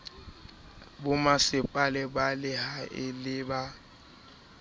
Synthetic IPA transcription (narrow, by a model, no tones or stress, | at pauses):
bʊmasɪpʼalɛbalɪhaɪlɪba